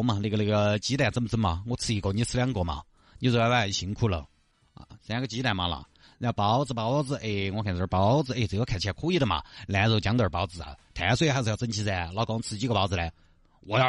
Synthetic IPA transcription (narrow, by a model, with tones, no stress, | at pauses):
ma˧na˥˩ɡə˩lə˥˩ɡə˩t͡ɕi˧˥t̪a˨˩t͡sə˥˩mə˧t͡sə˥nmɐ˧˩ŋɔ˧˥t͡sʰɹ̩˥˧i˧˩ko˧˩ni˧˥˩sɹ̩˥˧ljɑ˧˥ŋkwɔ˧˥mɐ̰˨˩ | t͡ɕi˥˧ʂ̩˧˩˧wa˥˩˨ɕi˧˥ŋkʰu˥˩lə̰˨˩˧ | sjã˧˥ɡə˧t͡ɕi˧˥t̪a˨˩ma˧˥lə̰˨˩˥ | jɑ˧˩pɑ˧˥ʊd͡zɹ̩˧pɑ˧˥ʊd͡zɹ̩˧ʔe˥˩ŋwɔ˧˥kʰa˨˩nə˧˥˩pɑ˧˥ʊd͡zɹ̩˧e˥˩t͡s̩˨˧˩jo˥kʰa˨˩t͡ɕʰjɛ˧˩kʰu˥i˥˩d̪ə˨˩mɐ̰˩lja˧˥t͡so˧˩t͡ɕjɑ˧˥ŋt̪ə˞˨˧˩pɑ˧˥ʊt͡sɹ̩˧˩a̰˩t̪ʰa˨˩˥swxa˧˥ʂ̩˧ɑ˥˧ʊt͡sə˥nt͡ɕʰi˧˥t͡sa˧˩lɑ˧˥ʊkɑ˧˥ŋt͡sʰɹ̩˧t͡ɕi˥ɡə˧˩pɑ˧˥ʊt͡sɹ̩˧˨la˧˥ɪ | wɔ˨˧˩jɑ˥˧